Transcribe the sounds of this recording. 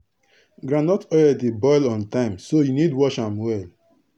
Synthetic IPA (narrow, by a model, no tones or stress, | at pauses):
ɡɾãnɔtɔdɛdebɔɪlɔ̃ntãɪ̃msojunidwɔʃãmwɛl